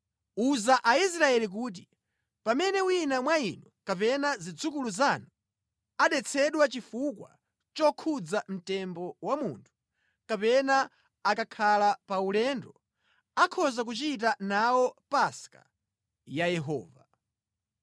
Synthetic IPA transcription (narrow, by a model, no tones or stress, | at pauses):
uzaʔais̬ɾaɛlik̬uːt̬i | pamɛnɛwinamwainɔkapɛnazid͡zukuluzanɔ | aɗɛt͡sʰɛɗwat͡ʃifukwa̰ | t͡ʃɔkʰud͡zam̩tɛmbɔwamuːntʰu̥ | kapɛnaː | kakʰalapaulɛndɔ | akʰɔzak̬ut͡ʃit̬anawɔpaska̰ | jajɛɦɔ̰ːva